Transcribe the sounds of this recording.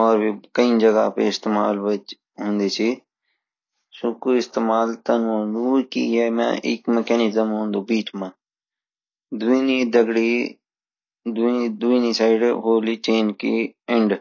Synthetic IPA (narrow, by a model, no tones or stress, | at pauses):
ɔːɾbikəĩːd͡ʒəɡa̰pḛɪst̪eːmaːlʋət͡ʃ | ɦʊ̃ːnd̪iːt͡ʃʰi | sʊkuːɪst̪eːmaːlt̪ənõːnd̪ukḭɛːmɛ̰̃ʔɪ̰kməkɛːnɪzəmɦõːnd̪uːbiːʈʰmãː | d̪ʊiːnid̪əɡɽi | d̪d̪uiniːsaːɪɖɦoːliːt͡ʃeːnkiɪ̃ɳɖ